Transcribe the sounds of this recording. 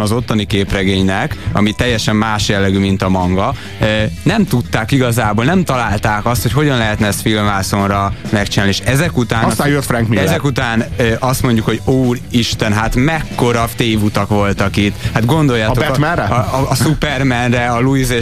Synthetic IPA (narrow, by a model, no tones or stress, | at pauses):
ɒzo̞t̪ːonikeːprɛɡeːɲnɛkɒ̰mit̪ɛjːɛʃɛmːaːʃjɛlːɛɡymint̪ɒmɒŋɡɒ | nɛmt̪ut̪ːaːkiɡɒzaːboːlnɛmt̪ɒlaːlt̪aːkɒst̪ho̞cho̞ɟɒnlɛɦɛt̪nɛɛsfilmvaːsonrɒmɛkt͡ʃinaːlnieʃɛzɛkut̪aːnt̪ajut̪fɾɛŋkmiɛzzɛkut̪aːnøʔɒst̪mo̞ɲɟukho̞ɟuːriʃt̪ɛnɦat̪mɛkːo̞ɾɒft̪eːvut̪ɒkʋo̞lt̪ɒkit̪ːhad̪ɡo̞nd̪o̞jːaːt̪ott̪mɛnrɛːsupɛrmɛnrɛɒluize